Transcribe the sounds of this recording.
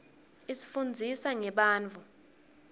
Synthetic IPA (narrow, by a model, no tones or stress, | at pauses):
isi̥fund͡zʱisaŋɛɓaːnt͡fʰu